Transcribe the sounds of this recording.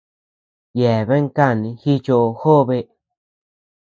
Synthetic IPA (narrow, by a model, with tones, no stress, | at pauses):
je˨βe˦ŋ˦ka˦˨nĩ˧xi˦t͡ʃo˧ʔo˧xo˦βe˧